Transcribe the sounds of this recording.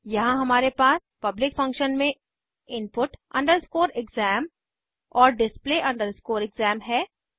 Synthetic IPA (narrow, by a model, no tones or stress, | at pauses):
jɐɦãɦɐmaːɾepaːs | pɐblɪkfɐ̃ŋkʃənmẽ | ɪnpʊʈɐ̰̃ɳɖəɾskoːɾɪɡzɛːm | ɔːɾɖɪspleːʔɐ̃ɳɖəɾskoːɾɪɡzɛːmɦɛː